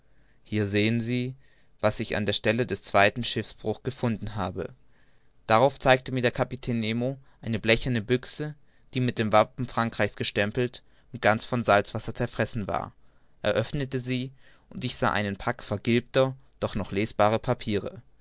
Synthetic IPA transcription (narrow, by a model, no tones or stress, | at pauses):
hiːɐzeːənziː | vasɪça̰ndeːɐʃtɛlədɛst͡sv̥aɪtn̩ʃɪfsb̥ʁʊxɡ̥əfʊndn̩ɦaːbə | d̥aʁaʊft͡saɪk̚təmiːɐdeːɐkʰapitʰɛːnːeːmoʔaɪnəblɛçɐnəbʏksə | d̥iːmɪt̚d̥eːmvapm̩fʁ̥aŋkʁ̥aɪçsɡ̥əʃtɛmpl̩t | ʊnt̚ɡ̥ant͡sfɔnzalt͡sv̥asɐt͡sɛɐfʁ̥ɛsn̩va̰ːɐ | ʔɛɐʔœfnətəziː | ʊntɪçz̥a̰ːʔa̰ɪnənpʰakfɛɐɡɪlp̚tɐd̥ɔχnɔχleːsb̥aːʁ̞əpʰapʰiːʁ̞ə̰